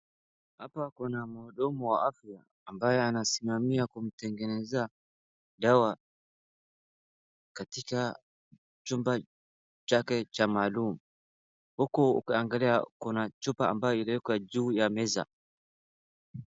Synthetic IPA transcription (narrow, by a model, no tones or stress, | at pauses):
hapakunamɔːɗɔmuwaʔafjaːmbajɛanasimamiakum̩tɛŋɡɛnɛza | ɗawa | katika | t͡ʃumba | t͡ʃakɛt͡ʃamaːlumu | hukuṵkiaŋɡaliakunat͡ʃupaa̰mbajɔiliwɛkwad͡ʒuːjamɛza̰